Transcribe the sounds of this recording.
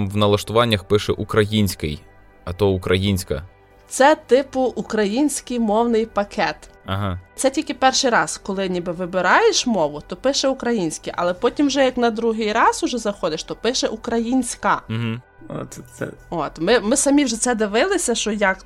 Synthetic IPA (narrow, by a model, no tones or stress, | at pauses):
mʋnɐlˠɐʃt̪ʊʋɑnʲːɐxpɪʃɛʔukɾɐjinʲsʲkɪ̰j | ɐt̪ɔukɾʔɐjinʲsʲkɐ̰ | t̪sɛt̪ɪpʊʔukɾɐjinʲsʲkɪjmɔwnɪjpɐkʰɛt̪ɐɦɑt̪sɛtʲilʲkɪpɛrʃɪjɾɑz̥kɔlˠɪnʲibɪʋɪbɪɾɑjeʃmɔʋʊt̪ɔpɪʃɛukɾɐjinʲsʲkɪjʔɐ̰lˠɛpɔtʲimwʒɛjɐknɐd̪ɾuɦɪjɾɑzʊʒɛzɐxɔd̪ɪʃt̪ɔpɪʃɛʔukɾɐjinʲsʲkɐɦ̩ | o̰ɛɛ̰ot̪mɪmɪsɐmʲiwʒɛt̪sɛd̪ɪʋɪlˠɪsʲɐʃt͡ʃɔjɐk